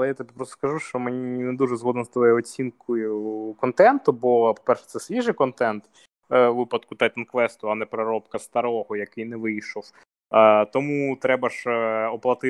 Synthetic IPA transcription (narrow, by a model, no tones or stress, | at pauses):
ɐlˠɛjat̪ɔbʲipɾɔst̪ɔ̥skɐʒuʃt͡ʃɔmenʲinɛd̪uʒɛzɦɔd̪nɔst̪ɔkɔjʊɔt͡sʲinkʊjʊkɔnt̪ɛnt̪ʊbɔpɔ̥pɛrʃɛt̪sɛsʲʋʲiʒɪjkɔnt̪ɛnt̪ | ʋɪpɐd̪kʊt̪ɐjt̪ɐnkʋɛst̪ʊɐnɛpɾɐɾɔpkɐst̪ɐɾɔɦɔjɐkɪjnɛʋɪjʃɔw | t̪ɔmut̪ɾɛbɐʃɔplˠɐt̪ɪ